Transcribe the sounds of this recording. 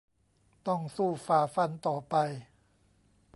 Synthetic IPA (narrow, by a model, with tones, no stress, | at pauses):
t̪ɔ˥˩ŋsuː˥˩faː˧fa˧nt̪ɔː˨˩pa˧j